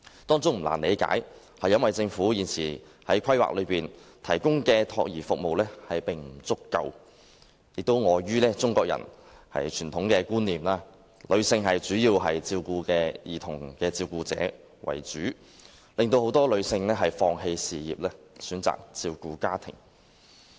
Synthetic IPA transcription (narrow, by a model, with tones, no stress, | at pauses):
t̪ɔː˥ŋt͡sʊ˥ŋm̩˨˩la̰ː˨˩ne˨˧jka̰ː˨˥j | hɐ˨jːɐ˥nwɐ˨jt͡sɪ˧ŋfuː˨˥jiː˨˩nt͡sʰiː˨˩hɐ˨˥jkʰɐ˥jwa̰ː˨k̚lɵ˨˧ɥpiː˨˩nt̪ʰɐ˨˩jkʊ˥ŋkɛː˧t̪ʰɔ̰ː˧k̚jiː˨˩fʊ˨k̚mo˨wlɛː˥hɐ˨jpɪ˨˩ŋm̩˨˩t͡sʊ˥kːɐ̰˧w | jɪ˨k̚t̪o˥wŋɔː˨˧jyː˥lɛː˥t͡sʊ˥ŋkɔː˧k̚jɐ̰˨˩n | hɐ̰˨jt͡ʃʰyː˨˩nt̪ʰʊ˨˥ŋkɛː˧kuː˥nːiː˨mlaː˧ | lɵ˨˧ɥsɪ˧ŋɦɐ˨jt͡ʃyː˨˥jiː˧wɦɐ˨jt͡siː˧wkuː˧kɛː˧jiː˨t̪ʰʊ˨˩ŋkɛː˧t͡siː˧wkuː˧t͡sɛ̰ː˨˥ | wɐ̰˨˩jt͡ʃyː˨˥ | lɪ˨ŋt̪o˧who˨˥wt̪ɔː˥lɵ˨˧sɪ˧ŋlɛː˥ɦɐ˨jfɔː˧ŋɦe˧jsiː˨jiː˨p̚lɛː˥ | syː˨˥nt͡sa̰ː˨k̚t͡siː˧wkuː˧kaː˥t̪ʰɪ̰˨˩ŋ